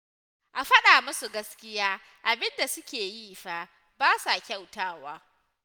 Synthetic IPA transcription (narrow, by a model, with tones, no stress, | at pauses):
ʔa˨ɸɐ˦ɗaː˨mʊ˦su˨ɡɐ˦skʲɪ˦jaː˦ | ʔa˨bɪ˦nda˨sʊ˦kʲeː˨jiː˦ɸa˦ | baː˦sa˨kʲa˦˨wtaː˦waː˦